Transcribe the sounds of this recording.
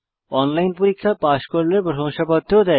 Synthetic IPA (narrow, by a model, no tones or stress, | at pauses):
ɔnlajnpuɾikʰːapaʃkoɾlebɔɾoŋʃapad̪ʱːod̪ɛ